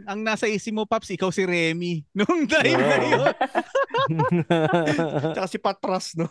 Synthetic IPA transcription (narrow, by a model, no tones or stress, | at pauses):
ɐŋnaːsɐʔiːsɪmopapsʔɪkawsɪɾɛːminʊŋd̪ɐjmnɐjon | t͡ʃɐkasɪpat̪ɾasno